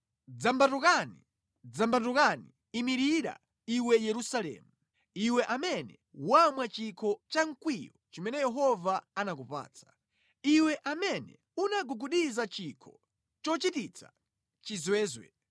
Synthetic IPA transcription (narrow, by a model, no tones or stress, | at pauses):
d͡zambatukanḭ | d͡zambatukani | imiɾiɾa̰ | iwɛjɛɾusalɛ̰ːmu | iwɛʔamɛnɛ | wamwat͡ʃikʰɔt͡ʃaŋ̩kwijɔt͡ʃimɛnɛjɛɦɔvaanak̬upa̰ːt͡sʰḁ | iwɛʔamɛnɛ̰ | unaɡuɡuɗizat͡ʃikʰɔ | t͡ʃɔt͡ʃitit͡sʰa̰ | t͡ʃizwɛːzwɛ̰